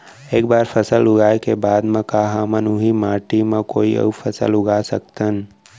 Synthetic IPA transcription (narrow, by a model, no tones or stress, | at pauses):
eːkbaːɾpʰəsəlʊɡaːekebaːd̪mẽkaɦaːmənuɦimaːʈimẽkoːiə̰upʰəsə̰lʊɡasək̚t̪ən